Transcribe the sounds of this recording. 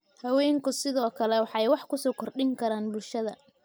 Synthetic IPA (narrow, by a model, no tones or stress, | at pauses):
hɐwɛːŋkʰʊsɪðɔːkʰɐlɛwɑħɑjwɑħkʰʊsɔːkʰɔrɖɪŋkʰɐɾaːnbʊlʃɐðɐ̰